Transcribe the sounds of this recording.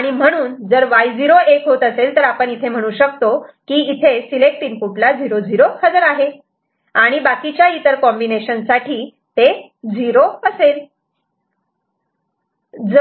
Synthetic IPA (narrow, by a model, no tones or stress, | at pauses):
aɽ̃im̤əɽ̃uːnd͡zəɾʋajd͡ziɾoekɦot̪əselt̪əɾapəɳit̪ʰem̤əɽ̃uːɕək̚t̪okiːt̪ʰesilek̚ʈiːnfuʈlad͡ziɾod͡ziɾohəd͡zəɾaɦe | aɽ̃ibakit͡ɕjait̪əɾkɔmbineɕənsaʈʰiː | t̪e | d͡ziɾoəsel | d͡z